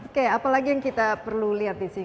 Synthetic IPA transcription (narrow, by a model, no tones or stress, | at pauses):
keapalaɡijaŋkit̪apərluliɦat̪̚bisi